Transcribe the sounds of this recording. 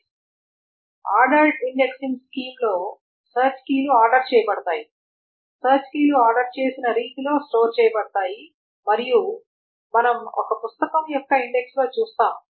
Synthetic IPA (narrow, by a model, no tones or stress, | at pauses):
aːɾɖɐlʈiɳɖe̞ksiŋskiːmlo̞ː | sɐːɾt͡ʃkiːluaːɾɖɐɾt͡ʃɛːjɐbɐɽɐt̪aːji | sɐːɾt͡ʃkiːluaːɾɖɐɾt͡ʃe̞ːsinɐɾiːʈilo̞ːsʈoːɾt͡ʃɛːjɐbɐɽɐt̪aːji | mɐɾiju | mɐnɐmɔ̰kɐpust̪ɐkɐmjɔkːɐiɳɖe̞kslo̞ːt͡ʃuːst̪aːm